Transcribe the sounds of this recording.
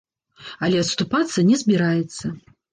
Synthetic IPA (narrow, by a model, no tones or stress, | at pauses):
ɐlʲɛɐt̪st̪upat̪sːɐnʲɛzbʲiɾajɛt̪sːɐ